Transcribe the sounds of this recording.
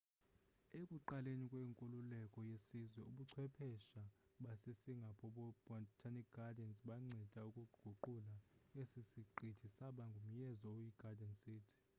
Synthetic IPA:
ekʼuǃalenikʼweːŋkʼululɛkʼɔjesizwɛuɓuǀʰwɛpʰɛʃaɓasesiŋɡʱapʰɔɓɔb̥ɔtʰanikɡʱadɛnsɓaŋ͡ǀʱɛd̥ʼʱaukʼuɡ̥ʱuǃulaesisiǃʱid̥ʒ̥ʱisaɓaŋɡʱum̩jɛzɔojiɡ̥adʱɛnsiːtʰi̥

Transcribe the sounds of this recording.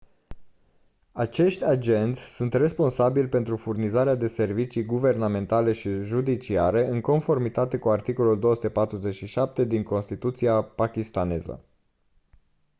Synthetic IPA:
at͡ʃe̞ʃt̪ʲad͡ʒe̞nt̪sʲsunt̪re̞spo̞nsabilʲpe̞nt̪ɾufurnizaɾead̪e̞se̞rvit͡ʃijɡuve̞rname̞nt̪ale̞ʃiʒud̪it͡ʃiaɾe̞ʔɨŋko̞nfo̞rmit̪at̪e̞kuart̪iko̞luld̪o̞osu̥t̪e̞pat̪ɾuze̞t͡ʃʃiʃap̚t̪e̞d̪iŋko̞nst̪it̪ut̪siapakʲist̪ane̞zə̰

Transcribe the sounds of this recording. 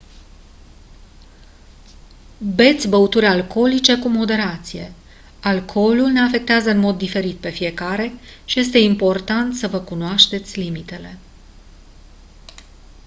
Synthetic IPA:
be̞t̪sʲbəut̪uɾʲalko̞lit͡ʃe̞kumo̞d̪e̞ɾat̪sije̞ | alkʰo̞lulne̞afe̞k̚t̪eazəɨnmo̞d̪ːife̞ɾit̪̚pe̞fije̞kaɾe̞ʃije̞s̬t̪e̞impo̞rt̪ant̪səvəkunoaʃt̪e̞t̪sʲlimit̪e̞le̞

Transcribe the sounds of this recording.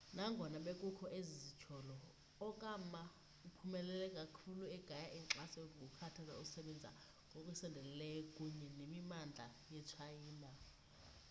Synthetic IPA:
naŋɡʱɔnaɓekʼukʰɔʔezizi̥t͡ʃʰɔlɔː | kʼama | upʰumɛlɛlɛkʼakʰuluɛɡ̥ʱajaʔiŋ͡ǁasɛŋɡʱukʰatʰaza̰usɛɓɛnd͡zʱa̰ | ŋɡʱokʼwisɛndʱɛllɛjɔkʼuɲɛnemimand͡ɮʱa̰jɛt͡ʃʰajiːna

